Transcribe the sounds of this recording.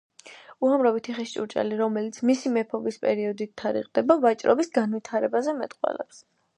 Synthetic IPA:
uamɾavit̪ʰiχist͡ʃʼṵɾt͡ʃʼa̰liɾɔmɛlit̪sʰmisimɛpʰɔbispʼɛɾiɔd̪it̪ʰːaɾḭqʼd̪ɛbavat͡ʃʼɾʔɔ̰bisɡanvit̪ʰaɾɛbazɛmɛt̪ʼqʼwɛ̰lɛ̰ps

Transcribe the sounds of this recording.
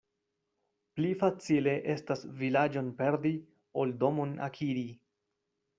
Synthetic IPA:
plifat͡sile̞ʔe̞stasvilad͡ʒo̞npe̞ɾdi | o̞ldo̞mona̰kʰiɾi

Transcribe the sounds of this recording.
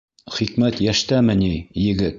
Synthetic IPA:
χikmæt̪jæʃt̪æmɘ̆nʲijɘ̆ɡɘt̪

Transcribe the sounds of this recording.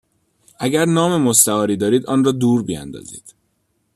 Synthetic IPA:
ʔæɟæɾnɒːmemost̪æɒːɾiːd̪ɒːɾiːd̪ɒːnrɒːd̪uːɾbiæ̰nd̪ɒ̰zḭːd̪̥

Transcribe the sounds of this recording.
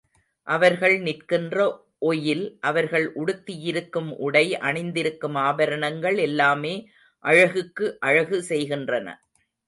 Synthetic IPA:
ʔɐʋɐɾɣɐɭnɪrkɪndrɐ | ʔɔjɪlʔɐʋɐɾɣɐɭʔʊɽɯt̪ːɪjɪɾɯkːɯmʔʊɽɐɪʔɐɳɐɪnd̪ɪɾɯkːɯmaːbɐɾɐɳɐŋɡɐɭɛlːaːmeː | ʔɐɻɐɣɯkːɯʔɐɻɐɣɯsɛjɣɪndrɐnɐ̰

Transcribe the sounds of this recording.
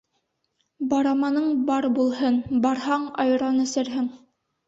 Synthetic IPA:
bɑɾɑmɑnɤɴbɑɾbulˠhɤnbɑɾɦɑɴɑjɾɑnɵ̆sɘ̆ɾɦɘŋ

